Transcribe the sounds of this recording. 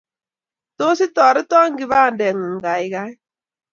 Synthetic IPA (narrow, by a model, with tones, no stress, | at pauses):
to˦si˦tɔː˨ɾɪ˦tɔ˦ŋɡi˨˦βa˦˨ndɛ˨ŋu˨ŋ˨ɡa˨i˨ɣa˦i˦